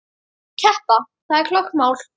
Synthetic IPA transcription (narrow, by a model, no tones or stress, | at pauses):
cʰɛhpa | θaðɛkʰlɔkːmaːwl̥